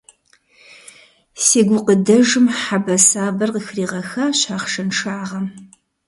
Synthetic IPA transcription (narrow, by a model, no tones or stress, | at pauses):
siːɡʷʊqədɐʒɨmħabɐsaːbɐrqəxriːʁɐxaɕaːχʂɐnʂaːʁɐm